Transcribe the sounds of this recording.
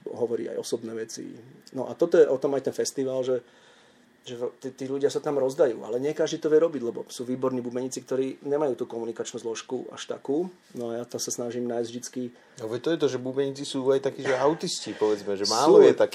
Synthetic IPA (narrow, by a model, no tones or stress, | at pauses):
ɦɔʋɔɾḭːa̰jɔ̰sɔbnɛːʋɛt͡sḭnɔʔat̪ɔt̪ɔjɛʔɔt̪ɔmajt̪ɛnfɛst̪iʋaːlʒɛ | ʒɛt̪ːt̪iːluɟɪasat̪amɾɔzd̪ajṵːʔa̰lɛɲɪɛkaʒd̪iːt̪ɔʋɪɛɾɔbiɟlɛbɔ̰suːʋiːbɔɾniːbubɛɲiːt͡sikt̪ɔɾiːɲɛmajuːt̪uːkɔmunikat͡ʃnuːzlɔʃkua̰ʃt̪a̰kuː | nɔajaːt̪amsasnaʒiːmnaːjzɟvʒd̪it͡ski | ɔʋɛt̪ɔjɛt̪ɔʒɛbubɛɲit͡sisuːajt̪akiːʒɛaʊt̪iscipɔʋɛd͡zmɛʒɛmaːluɔjɛt̪ak